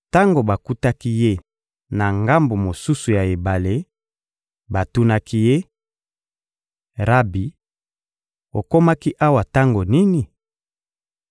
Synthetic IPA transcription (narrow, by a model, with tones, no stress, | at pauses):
ta˦ŋɡo˨ba˨ku˦ta˦ki˦je˦ | na˨ŋɡa˦mbo˨mo˨su˦su˨ja˨e˨ba˨le˦ | ba˨tu˦na˦kʰi˦je˦ | ʁa˦bi˨ | o˨ko˦ma˦ki˦ʔa˦wa˨ta˦ŋɡo˨ni˦ni˨